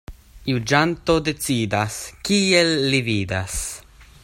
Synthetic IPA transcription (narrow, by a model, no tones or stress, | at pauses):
jud͡ʒant̪o̞d̪e̞t͡sid̪askielːivid̪as